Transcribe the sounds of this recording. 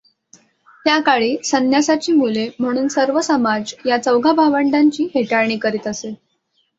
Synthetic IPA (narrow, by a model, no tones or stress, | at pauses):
t̪jakaɭiːsənjasat͡ɕiːmulem̤əɽ̃uːnsəɾʋəsəmad͡zjat͡səwɡʱabʱaʋəɳɖaɲt͡ɕiːɦeʈaɭɳ̃iːkəɾiːt̪əse